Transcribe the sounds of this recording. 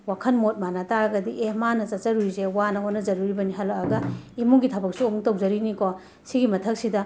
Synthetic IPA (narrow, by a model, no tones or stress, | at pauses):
wakʰɐnmot̚manɐtaɾɐɡɐdiʔehmanɐt͡ʃɐt̚t͡ʃɐɾuizewanɐonɐzɐɾuɾibɐniɦɐlɐkɐɡɐimuŋɡitʰɐbɐk̚suomuŋtɐwzɐɾiniko | siɡimɐtʰɐk̚sidɐ